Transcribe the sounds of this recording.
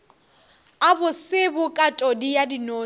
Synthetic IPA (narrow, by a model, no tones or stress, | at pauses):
abʊsɪbʊkʼatʼɔdijadinoː